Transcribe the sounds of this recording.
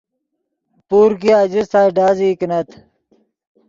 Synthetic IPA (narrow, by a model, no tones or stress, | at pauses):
puːɾkijaːd͡ʑit̪ʰaːiɖaːziːknɐt̪ʰ